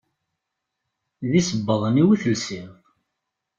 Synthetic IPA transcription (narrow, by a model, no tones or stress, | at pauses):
ðisəbːəðˤəniwiθəlsɪʁ